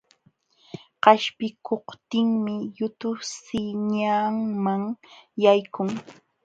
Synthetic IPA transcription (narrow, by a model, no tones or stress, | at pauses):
qɑʃpɪkʰoqt̪ɪŋmɪjʊt̪ʊsɪɲaːŋmaŋjajkʊŋ